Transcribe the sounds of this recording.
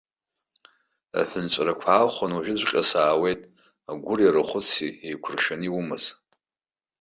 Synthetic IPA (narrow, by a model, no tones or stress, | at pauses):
a̰ħɨnt͡ʃʷʼrakʷʰaːχʷanuʒɪd͡ʒʷqʲʼasaːwejtʼ | aɡʷʊriɾɨχʷʊt͡sʰiejkʷʰʊrʃaniwumɨz